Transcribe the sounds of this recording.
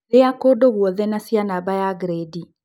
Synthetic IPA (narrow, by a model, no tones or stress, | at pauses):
leakoːdoɣwɔðɛnasianabajaɡɾedi